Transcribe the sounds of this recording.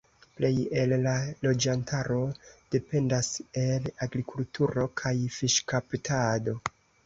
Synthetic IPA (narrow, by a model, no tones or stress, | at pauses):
ple̞je̞lːalo̞d͡ʒantʰaɾo̞d̥e̞pe̞ndase̞laɡɾikultuɾo̞kʰajfiʃkaptʰado̞